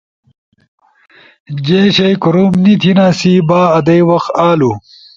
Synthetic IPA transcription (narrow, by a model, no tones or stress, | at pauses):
d͡ʑeːɕɐjkuɾuːmnit̪ʰinaːsibaːɐd̪ɐjwɐxaːlu